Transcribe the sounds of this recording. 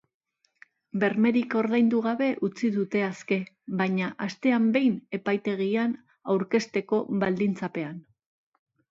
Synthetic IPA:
be̞ɾme̞ɾiko̞ɾðajnd̪uɣ̞aβe̞ʔut͡siðut̪e̞aske̞ | βajɲaʔast̪e̞ambe̞jne̞pajt̪e̞ɣian | awɾke̞st̪e̞ko̞βald̪int͡sape̞an

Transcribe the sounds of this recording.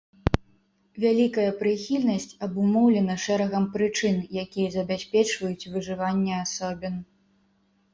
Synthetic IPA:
vʲalʲikɐjɐpɾɨxʲilʲnɐsʲt͡sʲɐbumɔwlʲɛnɐʂɛɾɐɣɐmpɾɨt͡ʂɨnjakʲijɐzɐbʲasʲpʲɛt͡ʂvɐjut͡sʲvɨʐɨvanʲːɛasɔbʲin

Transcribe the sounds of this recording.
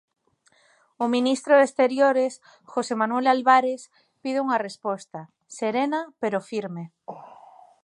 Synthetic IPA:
ʊminist̪ɾoðest̪eɾjoɾes | xosemanwelalβaɾes | pið̞ɪuŋarespɔst̪ɐ | seɾenapeɾofiɾme

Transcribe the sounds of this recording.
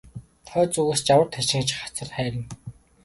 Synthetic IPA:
t̪ʰœːt͡suɣɘ̆ːst͡ɕawə̆rt̪ʰæʃɪ̆ŋt͡ɕχḁt͡sə̆rχæːɾʲɪ̆n

